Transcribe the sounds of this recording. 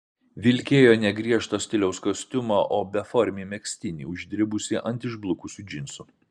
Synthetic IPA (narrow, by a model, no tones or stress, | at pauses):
ʋʲɪlʲkʲeːjoːnʲɛɡɾʲiɛʃt̪oːsʲt̪ʲɪlʲɛʊskosʲt̪ʲʊmoːʔoːbʲɛfɔɾʲmʲiːmʲɛksʲt̪ʲɪnʲḭʊʒʲd̪ʲɾʲɪbʊsʲɪʔɐnʲt̪ʲɪʒblˠʊkʊsʲʊd͡ʒʲɪnʲsʊ